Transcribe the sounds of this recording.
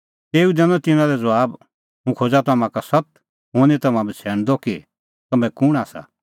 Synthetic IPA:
t̪eːud̪ɛːnɔ̃t̪ɪnãlɛd͡zɐaːb | ɦũkʰoːd͡ʒat̪ɐmãkasɐt̪̚ | ɦoːnit̪ɐmãbit͡sʰɛːɽ̃d̪ɔki | t̪ɐmɛ̃kʊɽ̃aːsa̰

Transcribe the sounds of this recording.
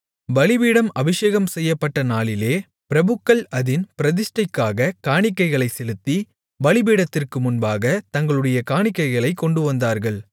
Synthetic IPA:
ʋɐɭɪbiːɽɐmɐʋɪʂeːɣɐmsɛjːɐpːɐʈːɐnaːɭɪleː | pɪɾɐbɯkːɐɭɐðɪnpɪɾɐðɪsʈɐɪkːaːɣɐkaːɳɪkːɐɪɣɐɭɐɪsɛlɯt̪ːi | ʋɐɭɪbiːɽɐt̪ːɪrkɯmʊnbaːɣɐt̪ɐŋɡɐɭɯɽɐjɐkaːɳɪkːɐɪɣɐɭɐɪkːɔɳɖɯʋɐnd̪aːɾɣɐɭ

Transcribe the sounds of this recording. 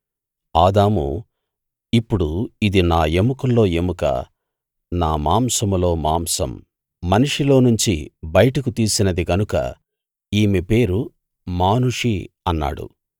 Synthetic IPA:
aːd̪aːmṵ | ipːuɽuid̪inaːe̞mukulːo̞ːe̞mukɐ̰ | naːmaːmsɐmlo̞ːmaːmsɐ̰mː | ɐniʂilo̞ːnuɲt͡ʃḭbɐjɐʈɐkut̪iːsinɐd̪iɡɐnukɐ̰ | iːmepe̞ːɾu | maːnuʂi | ɐnːa̰ːɽṵ

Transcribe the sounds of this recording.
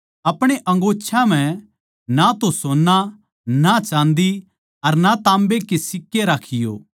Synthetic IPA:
ɐpɽ̃eʔɐ̃ŋɡoːtːʃʰãm̤ɛ̃ | nat̪osoːnːa | nat͡ʃãːnd̪i | ɐɾnat̪ãːmbekesɪkːeɾaːkʰɪjo̰ː

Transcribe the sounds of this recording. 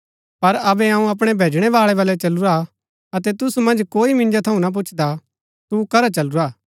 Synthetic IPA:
pɐɾɐbɛɐũɐp̬ɽ̃ɛbʱeːd͡ʒɽ̃ɛʋaːɭɛbɐlɛt͡ʃɐluɾa | ɐt̪ɛt̪ʊsumɐ̃nd͡ʒkoːimɪ̃nd͡ʒat̪ʰɐũnap̬ʊt͡ʃʰd̪a | t̪ukɐɾat͡ʃɐluɾaː

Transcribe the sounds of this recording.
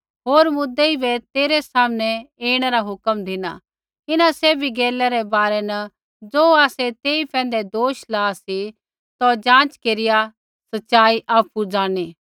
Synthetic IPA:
ɦoːɾmʊd̪ːeibɛt̪eːɾɛsaːmənɛeːɽ̃ɛɾaɦʊkəmd̪ʱɪna̰ | ɪnãsɛːbʱiɡeːlɛɾɛbaːɾɛnɐ | d͡zoːaːsɛt̪eːipɛ̃ːn̆d̪ɛd̪oːʃlaːsi | t̪od͡ʒãːt͡ʃkeːɾɪja | sɐtːʃaːiʔaːpud͡zaːɽ̃iː

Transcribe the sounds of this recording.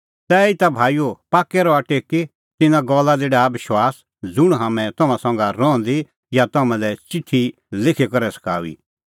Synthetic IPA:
t̪ɛɪt̪abʱaːijopaːkːɛɾɔɐʈeːkːe | t̪ɪnãɡɔːlːad͡zeːɽabɪʃwaːs | d͡zʊɽ̃ɦamɛ̃t̪ɐmãsɐ̃ŋɡaɾɔ̃ːɔ̃nd̪i | jat̪ɐmãlɛt͡ʃɪʈʰːi | lɪkʰekɐɾɛsɐ̥kʰaːʋḭː

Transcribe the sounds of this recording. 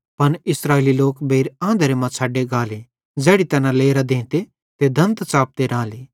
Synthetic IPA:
pɐnɪsɾaːeliloːkbʱeːɾãːnd̪əɾemãt͡sʰaːɖeɡaːle | d͡zɛːɽit̪ɛːnãleːɾad̪ẽːt̪e | t̪ed̪ʱɐ̃nt̪t͡ʃaːp̚t̪eɾãːleː

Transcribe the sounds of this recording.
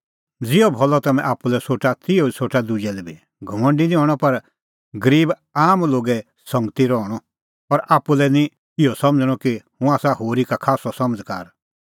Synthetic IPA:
d͡zɪɔbʱɔlɔt̪ɐmɛ̰̃ʔaːpulɛsoːʈat̪ɪoisʰoːʈad̪ud͡ʒɛlɛbʱi | ɡʱɐmɐ̃ɳɖinĩɦɔɽ̃ɔpɐɾ | ɡəɾiːb | aːmloːɡɛ | sɐ̃ŋɡt̪iɾɔɽ̃ɔ | pɐɾaːpːulɛnĩ | ɪɔsɐ̃md͡zɽ̃ɔkihũaːsaɦoːɾikakʰaːsɔsɐməd͡zkaːɾ

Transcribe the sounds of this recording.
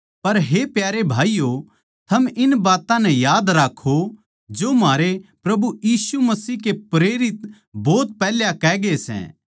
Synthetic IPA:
pɐɾɦepjaːɾebʱaːijo | t̪ʰɐmɪnbaːt̪ãnɛ̃jaːd̪ɾaːkʰːo | d͡ʒomaːɾepɾɐbujiːsumɐsiːɦkepɾeːɾɪt̪ | bɔːt̪̚pɛːljãkɛːɡesɛ̰̃ː

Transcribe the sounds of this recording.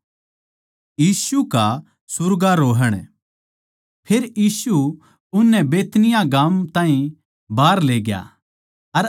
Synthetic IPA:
jiːsuka | sʊɾɡaɾoːɦəɽ̃ | pʰeɾjiːsu | ʊnːɛbeːt̪nɪjãɡaːmt̪ãːɦĩ | baːɾleːɡja̰ | ɐɾ

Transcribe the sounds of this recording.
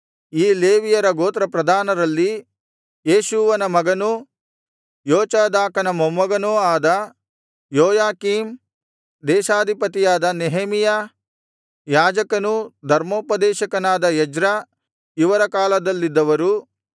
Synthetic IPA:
iːleːʋijɐɾɐɡoːt̪ɾɐpɾɐd̪ʱaːnɐɾɐlːi | jeːʃuʋɐnɐmɐɡɐnu | joːt͡ʃaːd̪aːkɐnɐmɐmːɐɡɐnuaːd̪ɐ | joːjaːkiːm | d̪ɛːʃaːd̪ʱipɐt̪ijaːd̪ɐneɦemijɐ | jaːd͡ʒɐkɐnud̪ʱɐɾmoːpɐd̪ɛːʃɐkɐnaːd̪ɐjɐd͡ʒɾɐ | iʋɐɾɐkaːlɐd̪ɐlːid̪ːɐʋɐɾu

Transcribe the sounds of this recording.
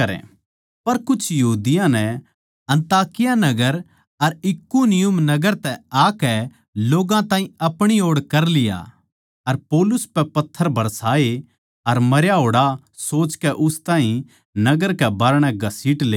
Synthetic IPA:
ɐɾɛ̰̃ | pɐɾkʊt͡ʃʰjɐɦuːd̪ɪjãnɛ | ɐ̃nt̪aːkɪjanɐɡəɾ | ɐɾɪkunɪjʊmnɐɡəɾt̪ɛaːkɛ | loːɡãt̪ãːɦĩɐpɽ̃ioːɽkɐɾlɪja̰ | ɐɾpoːlʊspɛpɐt̪ʰːəɾbʱɐɾsaːe | ɐɾmɐɾjaɦoːɽa | soːt͡ʃkɛʔʊst̪ãːɦĩ | nɐɡəɾkɛbaːɾɽ̃ɛɡʱɐsiːʈleː

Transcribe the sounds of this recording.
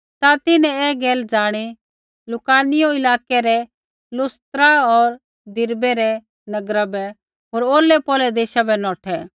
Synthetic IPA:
t̪at̪ɪnɛ̃ɛːɡɛːld͡zaːɽ̃i | lʊkaːnɪjoɪlaːkɛɾɛ | lʊst̪ɾaɔːɾ | d̪ɪɾbɛɾɛ | nɐɡɾabɛ | ɦoːɾoːlːɛpɔːlɛd̪eːʃabɛnɔːʈʰɛ

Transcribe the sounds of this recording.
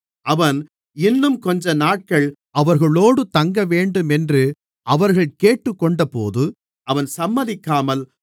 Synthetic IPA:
ɐʋɐn | ɪnːɯmkɔɲd͡ʒɐnaːʈ̚kɐɭ | ɐʋɐɾɣɐɭoːɽɯt̪ɐŋɡɐʋeːɳɖɯmɛndrɯ | ɐʋɐɾɣɐɭkeːʈːɯkːɔɳɖɐpo̰ːðɯ | ɐʋɐnsɐmːɐðɪkːaːmɐl

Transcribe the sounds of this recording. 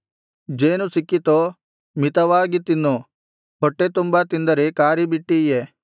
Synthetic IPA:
d͡ʒeːnũsɪkːit̪o | mɪt̪ɐʋaːɡit̪ɪnːo | ɦɔʈːet̪ʊmbat̪ɪ̃nd̪ɐɾekaːɾibiʈːiijeː

